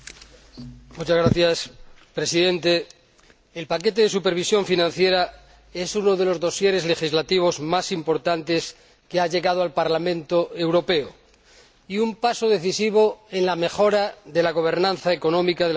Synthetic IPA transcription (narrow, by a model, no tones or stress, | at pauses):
mut͡ʃazɣɾaθjaspɾe̞siðẽ̞nt̪e̞ː | lpake̞t̪e̞ðe̞supe̞ɾβ̞isjo̞ɱfinãn̟θje̞ɾa | e̞sunoðe̞lo̞zðo̞sje̞ɾe̞zle̞xizlat̪iβ̞o̞zmasimpo̞ɾt̪ant̪e̞s | keaʝe̞ɣað̞oalpaɾlamẽ̞nt̪oe̞wɾo̞pe̞o | iumpasoðe̞θisiβ̞oenlame̞xo̞ɾaðe̞laɣ̞o̞β̞e̞ɾnãn̟θaeko̞nõ̞mikaðe